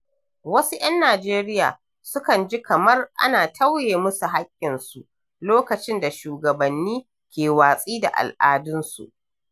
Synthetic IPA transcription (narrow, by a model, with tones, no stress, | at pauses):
wɐ˦su˦ʔɐ˦nːaː˨d͡ʒeː˦ɾɪ˦ja̰ː˨ | sʊ˦kɐ˨nd͡ʒi˦kɐ˨mɐ˦rʔa̰˦naː˨tʰɐ˦wjeː˨mʊ˦su˨ɦa˦kʲʼːɪ˨nsu˨ʔ | loː˦kɐ˨t͡ʃɪ˦nda˨ʃuː˨ɡɐ˨bɐ˨nːiː˦ | kʲeː˨waː˨sʼiː˦da̰˨ʔa̰˨lʔaː˨dʊ˦nsṵ˨ʔ